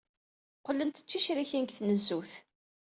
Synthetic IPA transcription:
qlːənt̪ə̥t͡ʃːiʃɾiçinkθnəzːuθ

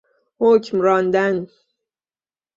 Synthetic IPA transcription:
hocʰmɾɒːnd̪æn

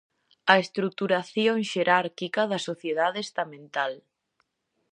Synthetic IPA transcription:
ɐest̪ɾuk̚t̪uɾaθjoŋʃeɾʔaɾkikɐðɐsoθjeð̞aðeest̪amẽnt̪al

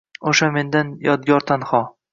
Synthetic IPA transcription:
oʃame̞nd̪anjɒd̪ɡʲɒɾt̪ʰanχɒ

